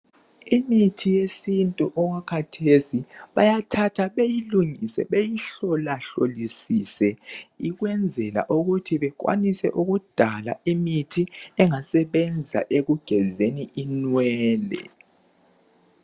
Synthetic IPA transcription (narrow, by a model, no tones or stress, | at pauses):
imitʰijesintʼuʔɔɣakʰatʰesiβajatʰatʰaβejiluŋisɛ̰βejiɬɔlaɬolisisɛiɣwɛnd͡zʱɛla̰ʔuɣutʰiβɛk̬wa̰nisɛ̰ʔuɣud̥ʱala̰imitʰiɛŋasɛβɛnd͡zʱa̰ʔeɣuɡ̥ʱɛzeniʔinwɛːlɛ̰